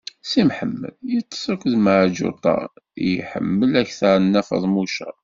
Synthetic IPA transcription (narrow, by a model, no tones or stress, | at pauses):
simħəmːə̰ljət̪ˤːə̥sˤəkəðmaʕd͡ʒʊ̰t̪ˤɑ̰jħə̰mːəlæçθəɾnːæfɑ̰ðˤmuʃæ